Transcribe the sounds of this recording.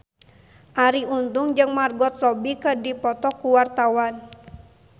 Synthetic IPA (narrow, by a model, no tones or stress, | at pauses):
ʔaɾiunt̪uŋd͡ʒɨŋmarɡɔt̪̚rɔbikədipɔt̪ɔkuwart̪awan